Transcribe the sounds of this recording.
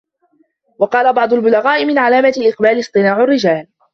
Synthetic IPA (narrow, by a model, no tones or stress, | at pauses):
wɑqɑːlabɑʕd̪ˤʊlbʊlaɣaːʔɪmɪnʕalaːmaalʔɪqbaːlɪsˤt̪ˤɨnaːʕʊrːɪd͡ʒaːl